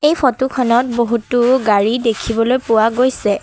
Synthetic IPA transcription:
ejpʰɔtukʰɔnɔt̚boɦutʊɡaɹidekʰibɔlojpʊwaɡojsɛ

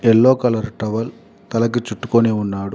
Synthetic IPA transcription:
ɛlːoːkɐlɐɾʈɾɐʋɐl | t̪ɐlɐk̬ːit͡ʃuʈːu̥koːneːunːaːɽu

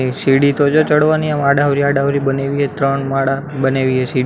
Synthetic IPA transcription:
isiɽit̪od͡ʒot͡ʃəɽʋaniãmaɽaʋɾiaɖaoɾibəneʋiɦet̪ɾəɳmaɽabəneʋiɦesi

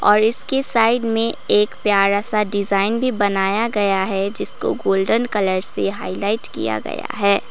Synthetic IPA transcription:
ɔːɾɪskesaːɪɖmẽeːkpjaːɾasaɖɪzaːɪnbʱibɐnaːjaɡɐjaɦɛd͡ʒɪsko̰ɡoːlɖənkɐləɾseɦa̰ːɪlaːɪʈkḭja̰ɡɐ̰ja̰ɦɛː

